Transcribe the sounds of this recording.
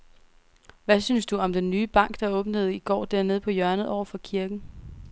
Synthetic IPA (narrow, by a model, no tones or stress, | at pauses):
ʋæsynsd̥uɒ̽md̥enːyːb̥ɑ̈ŋ̰ɡ̥d̥ɑ̈ɔ̽ːb̥nəð̞̩ˠiɡ̥ɒ̰ːd̥æɐ̰ne̝ð̞̰ˠpʰɒ̽jɶɐnəð̩ˠɒʊ̰ɐfɒ̽kʰiɐɡ̥n̩